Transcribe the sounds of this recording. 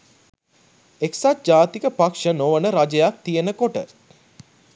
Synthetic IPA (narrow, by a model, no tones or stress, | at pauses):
eksat̪̚d͡ʒaːt̪ikəpakʂənoʋənəɾad͡ʒəjak̚t̪ijenəkoʈə̰